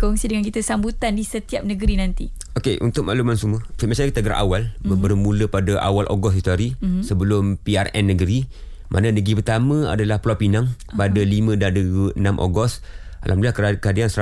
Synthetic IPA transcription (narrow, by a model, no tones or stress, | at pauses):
kɔŋsidəŋankit̪əsambut̪andisət̪iap̚nəɡəɾinant̪i | okeʔṵnt̪ʊk̚ma̰ʔlumansuməfimat͡ʃankit̪aɡəɾaʔa̰walbəbəɾmũləpadaʔa̰walʔo̰ɡɔsdit̪uaɾisəbəlʊmpiarɛnːəɡəɾi | mʔananəɡɾipərt̪amə̃a̰dalahplɔpinãŋ | padalimə̃dadəɡuənamʔo̰ɡɔs | a̰lʔa̰mluakkəadiansəa